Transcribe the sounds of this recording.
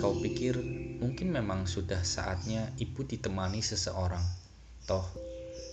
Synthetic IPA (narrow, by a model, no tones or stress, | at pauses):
kapikɪrmuŋkɪnmemaŋsud̥ahsa̰ʔa̰t̪̚ɲaib̥ud̪̥i̤t̪əmanisəsə̰ʔoɾaŋ | t̪ɔh